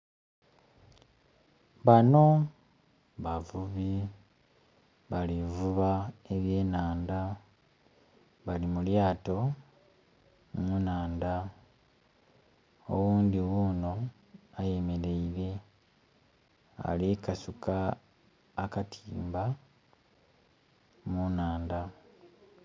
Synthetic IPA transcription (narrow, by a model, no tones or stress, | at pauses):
βano̞ | βavuβi | βalivuβae̞βje̞ːnaːnda | βalimuljaːto̞ | munaːnda | o̰wuːndiɣuno̞ | aje̞me̞ɾe̞iɾe̞ | a̰likasukaː | katʰiːmba | munaːnda